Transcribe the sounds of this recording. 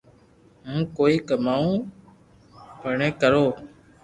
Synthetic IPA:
mũːkoːiːkəmaːũː | pəɳẽːkəɾoː

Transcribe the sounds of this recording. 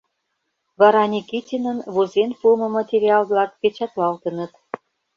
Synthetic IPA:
βɑɾɑnʲikitʲinənβozenpumɤ̆mɑt̪ʲeɾʲiɑlβlɑk̚pet͡ɕɑt̪lɑlt̪ənə̆t̪

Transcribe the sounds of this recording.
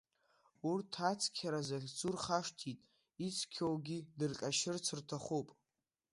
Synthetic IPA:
urtʰat͡sʰkʲʰaɾazaχʲt͡sʼurχaʂtʰitʼ | it͡sʰkʲʰowɡʲidɨrqʲʼaʃɨrt͡sʰɨrtʰaχupʼ

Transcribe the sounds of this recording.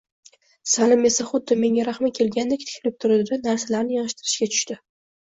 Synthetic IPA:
salɪme̞saχʊd̪ːɪme̞ŋaɾaχmakʲʰe̞lɡʲand̪ekʲt̪ʰɪ̥kʲʰlɪp̚t̪ʰʊɾɪd̪anaɾsalaɾnɪjɒnɨʃt̪ɪɾɪʃkʲat̪ʰʊ̥ʃt̪ɪ

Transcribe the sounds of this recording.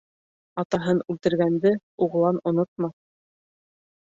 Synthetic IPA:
ɑt̪ɑɦɤnʉlt̪ɘ̆ɾɡænd̪ɘ | uʁlˠɑnŏnot̪̚mɑ

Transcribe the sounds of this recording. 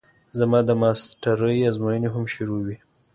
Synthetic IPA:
zamɑd̪əmɑsʈaɾəjazmojəneɦamʃʊɾowi

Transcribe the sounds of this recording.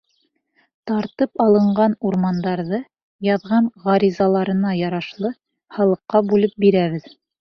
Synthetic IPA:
t̪ɑɾt̪ɤpɑlˠɤ̆ɴɢɑnuɾmɑnd̪ɑɾðɤ | jɑðʁɑɴʁɑɾizɑlˠɑɾɤ̆nɑjɑɾɑʃlˠɤ | hɑlˠɤ̆qːɑbʉlɘp̚biɾæβɘð

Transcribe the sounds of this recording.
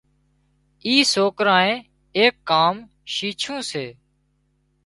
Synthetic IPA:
iːsoːkɾãːẽː | eːkːaːm | ʃiːt͡ʃʰũːseː

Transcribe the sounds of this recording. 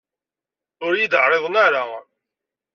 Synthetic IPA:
ʊɾjid̪əʕɾˤeðˤnaɾa

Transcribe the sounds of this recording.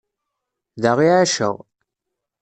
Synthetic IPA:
ðaʁiʕaʃə̰ʁ

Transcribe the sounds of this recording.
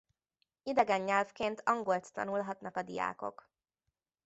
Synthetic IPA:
id̪ɛɡɛɲːɛlfkeːnt̪ʰɒŋɡo̞lt̪ːɒ̰nulɦɒt̪nɒkɒd̪ḭja̰ːko̞̰k

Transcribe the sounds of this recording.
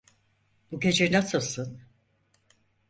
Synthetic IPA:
buked͡ʒiɾnasɯlˠsɯn

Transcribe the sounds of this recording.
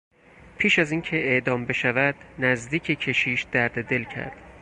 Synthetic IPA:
pʰiːʃæziːncʰe̞ʔeʔd̪ɒːmbe̞ʃævæd̪̥næzd̪iːcʰecʰe̞ʃiːʃd̪̥æɾd̪ed̪e̞lcʰæ̰ɾd̪̥

